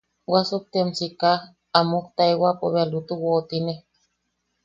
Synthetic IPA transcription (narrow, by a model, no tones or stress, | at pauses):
wasok̚t̪emsika | amukt̪aewapo̰βealut̪uwoːt̪ine